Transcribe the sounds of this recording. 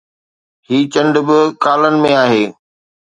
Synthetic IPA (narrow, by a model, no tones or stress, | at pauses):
hiːt͡ɕɐ̃ɳɖbɪkaːlənɪ̆mẽaːɦeː